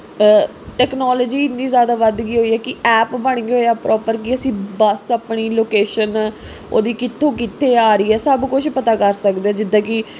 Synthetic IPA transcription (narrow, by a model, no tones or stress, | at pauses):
ʈɛːknɔːləd͡ʒiːɪniːzjaːd̪aːʋəd̪ɡiːɦoːiːɛːkɪɛːpbəɳ̃ɡeɦoːaːpɾʔɔːpəɾkɪəsĩːbəsəpɳ̃iːloːkeːʃən | o̰ːd̪iːkɪt̪ʰːõːkɪt̪ʰːeːaːɾiːɛːsəbkʊt͡ʃʰpət̪aːkəɾsəkd̪eãːd͡ʒɪd̪ːãːki